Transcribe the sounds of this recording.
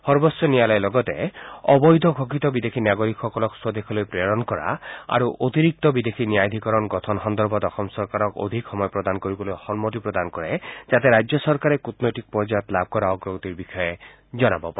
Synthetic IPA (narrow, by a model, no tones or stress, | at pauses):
hɔɾbɔsjɔnijalɔjlɔɡɔt̪ḛɔbɔjd̪ʱɔɡʱɔkit̪ɔbid̪ekʰinaɡɔɾikxɔkɔlɔkswɔd̪ekʰɔlojpɾeɔɾɔnkɔɾa̰a̰ɾuʔot̪iɾik̚t̪ɔbid̪ekʰiniajd̪ʱikɔɾɔnɡɔt̪ʰɔnɦɔnd̪ɔɾbʱɔt̪ɔxʰɔmsɔɾkaɾɔko̰d̪ʱikxɔmɔjɔpɾɔd̪ankoɾibɔlojhɔnmot̪ipɾɔd̪ankɔɾed͡ʒat̪eɾajd͡ʒjɔsɔɾkaɾekut̪nɔjʈik̚pɔɾd͡ʒajɔt̪lab̚ʱkɔɾaɔɡɾɔɡɔt̪iɾbixʰɔje | d͡ʒɔnabɔpaɾe